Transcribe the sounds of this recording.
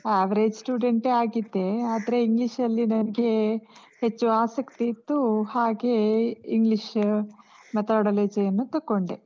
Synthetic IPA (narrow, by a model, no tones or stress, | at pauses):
aːʋɐɾeːd͡ʒsʈuːɖeɳʈeːaːɡid̪ːe̞aːd̪ɐɾe̞iŋɡliʂɐlːinɐnɐɡe̞ | het͡ʃːuaːsɐkt̪iːt̪ːuhaːɡe̞iŋɡliʃ | mɐt̪aɽɐleːd͡ʒejɐnːut̪ɐkːoɳɖe